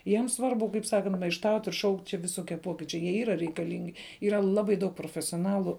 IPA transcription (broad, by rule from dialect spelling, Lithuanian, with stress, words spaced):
ˈjiɛms ˈsʋɐrbʊ kɐɪp ˈsɑːkɐnt mɐɪʃˈtɐʊtʲ ɪr ʃɐʊktʲ t͡ʃʲɛ ʋʲɪˈsoːkʲiɛ ˈpoːkʲiːt͡ʃʲɛɪ jiɛ ˈiːrɐ rʲɛɪkɐˈlʲɪŋʲɡʲɪ ˈiːrɐ ˈlˠɑːbɐɪ dɐʊk proːfʲɛsʲoːˈnɑːlˠʊ